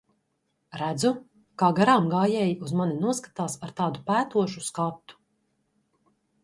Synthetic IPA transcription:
ɾæd̪zu | kaːɡaɾaːmɡaːjɛːjiuzmaninuɔskḁt̪aːsaɾt̪aːd̪upæːt̪uɔʃuskat̪ːu̥

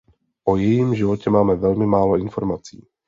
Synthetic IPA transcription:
ʔo̞jɛjimʒɪvocɛmaːmɛvɛlmɪmaːlo̞ʔɪnfo̞ɾmat͡sḭː

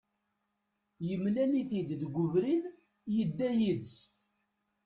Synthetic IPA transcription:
jəmlæniθid̪ðɡʷʊvɾin | jəd̪ːæjiðs

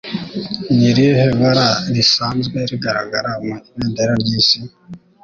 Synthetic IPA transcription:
ɲiɾijeheβaɾaɾisaːnzɡeɾiɡaɾa̰ɡaɾameneːndeɾaɾɟiːsi

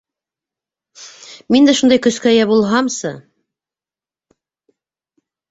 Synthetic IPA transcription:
mind̪æʃund̪ɑjkɵ̆skææjæbulˠɦɑmsɤ

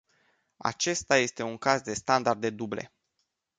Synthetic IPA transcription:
a̰t͡ʃe̞st̪aje̞st̪e̞uŋkazd̪e̞st̪and̪ard̪e̞d̪uble̞̰

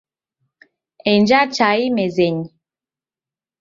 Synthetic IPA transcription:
ɛnd͡ʒat͡ʃaimɛzɛɲi

